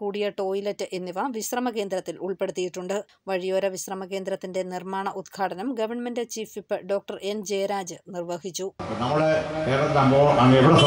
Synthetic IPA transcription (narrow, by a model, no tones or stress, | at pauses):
kuːɽijɐʈo̞ːjilɐtːɨʔenːiʋɐʋiɕrɐmɐke̞ːnd̪ɾɐt̪ːiluɭpe̞ɽut̪ːijiʈːuɳɖɨ | ʋɐɻijo̞ːɾɐʋiɕrɐmɐke̞ːnd̪ɾɐt̪ːinde̞nirmaːɳɐʔud̪ɡʰʱaːʈɐnɐmɡɐʋɐrɳmendɐt͡ɕiːfipːɨɖo̞ːk̚ʈɐre̞nd͡ʑe̞jɐɾaːd͡ʑɨnirʋɐɦit͡ɕːupːonɐmːɐɽek̪eːrɐt̪d̪amboːɐmːɐeʋiɽes